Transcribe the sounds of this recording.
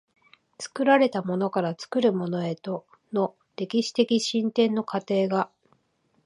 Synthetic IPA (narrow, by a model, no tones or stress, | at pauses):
t͡sɨ̥kɯ̟ɾaɾe̞t̪amo̞no̞kaɾat͡sɨ̥kɯ̟ɾɯ̟mo̞no̞e̞t̪o̞ | no̞ | ɾe̞kʲiɕi̥t̪e̞kʲiɕĩnt̪ẽ̞nːo̞kat̪e̞ːɡa